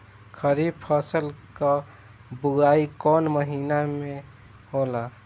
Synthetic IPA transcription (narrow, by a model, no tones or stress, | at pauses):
kʰəɾib̚pʰəsəlkə | buaikɔnməɦiːname | hola